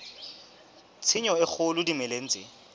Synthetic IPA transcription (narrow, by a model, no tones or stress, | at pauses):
t͡sʰɪɲɔɪk͡xʰʊlʊdimɛlen̩t͡sʼɪ